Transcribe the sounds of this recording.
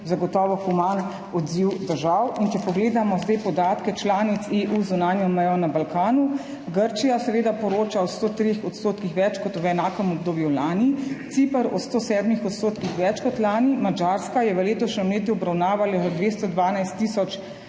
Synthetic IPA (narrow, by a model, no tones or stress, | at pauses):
zaɡɔt̪ɔːʋɔxuman | ɔd̪ziwd̪əɾʒawint͡ʃɛpɔɡleːd̪amɔzd̪ajpɔd̪aːt̪kɛt͡ʃlaːnit̪seʔuzunaːnjɔmɛjɔnabalkaːnu | ɡəɾt͡ʃijasɛʋeːd̪apɔɾoːt͡ʃaɔst̪oːt̪ɾexɔt̪st̪oːt̪kixʋɛt͡ʃkɔt̪ʋɛnaːkəmɔb̚d̪oːbjulaːnit̪sipəɾɔ̰st̪oːsɛːd̪mixɔt̪st̪oːt̪kixʋɛt͡ʃkɔt̪laːnimad͡ʒaɾskajɛʋəleːt̪ɔʃnɛmleːt̪̬juɔbɾawnaːʋalazad̪ʋeːst̪ɔd̪ʋaːnajst̪ːiːsɔt͡ʃ